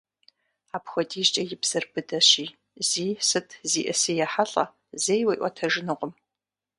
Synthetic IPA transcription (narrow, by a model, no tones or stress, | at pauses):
aːpxʷɔdiːɕt͡ʃʼɐjɪbz̥ɐrbɨdɐɕiː | z̥iːsɨtʰziːʔɐsɨjɛħaɬʼɐ̰ | zejwɐjʔʷɔ̰tʰɐʒɨnɨqʷʊm